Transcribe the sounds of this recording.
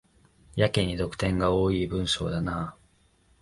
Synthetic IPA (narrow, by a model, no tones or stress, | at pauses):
jakeɲ̟id̪o̞kɯ̟̥t̪ẽ̞ŋɡaoːiːbɯ̟̃ɰ̃ɕo̞̰ːd̪anaː